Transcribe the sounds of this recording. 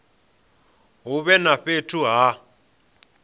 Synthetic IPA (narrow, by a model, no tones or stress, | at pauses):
ɦuɓɛnaɸetʰuɦa